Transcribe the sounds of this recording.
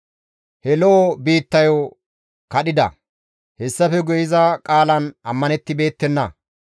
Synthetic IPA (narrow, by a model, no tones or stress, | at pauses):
hɛlɔʔːbiːt̪ːɐjo | kɐɗɪd̪ɐ̰ | hɛsːɐfɛɡʊjɪzɐkʼaːlɐnɐmːɐnɛt̪ːɪbe̞ːt̪ːɛnːɐ